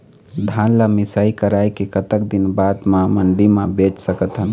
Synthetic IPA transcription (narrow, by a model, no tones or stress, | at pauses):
d̪ʱãnlamisaikəɾajkekət̪əkd̪inbad̪mãməɳɖimãbet͡ʃsəkət̪ɦən